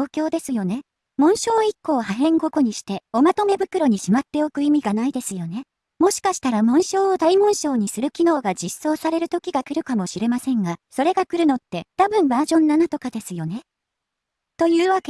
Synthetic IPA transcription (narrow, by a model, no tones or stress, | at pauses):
oːkʲo̞ːd̪e̞sɨjo̞ne̞ | mõ̞ɰ̃ɕo̞ːikːo̞ːhaɦẽ̞ŋɡo̞ko̞ɲ̟iɕi̥t̪e̞o̞mat̪ome̞bɯ̟kɯ̟ɾo̞ɲ̟iɕimat̪ːe̞o̞kɯ̟imʲiɡanaid̪e̞sɨjo̞ne̞ | mo̞ɕi̥kaɕi̥t̪aɾamõ̞ɰ̃ɕo̞ːod̪aimõ̞ɰ̃ɕo̞ːɲ̟isɨɾɯ̟kʲino̞ːɡad͡ʑisːo̞ːsaɾe̞ɾɯ̟t̪o̞kʲiɡakɯ̟ɾɯ̟kamo̞ɕiɾe̞masẽ̞ŋɡaso̞ɾe̞ɡakɯ̟ɾɯ̟no̞t̪ːe̞t̪abɯ̟̃mbaːʑõ̞nːanat̪o̞kad̪e̞sɨjo̞ne̞ | t̪o̞jɯ̟ːβake